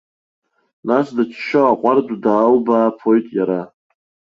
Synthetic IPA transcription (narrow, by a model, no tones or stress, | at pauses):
nasdat͡ʃʰʃaaqʷʼardʷʼdaːlbaːpʰo̞jtʼjaɾa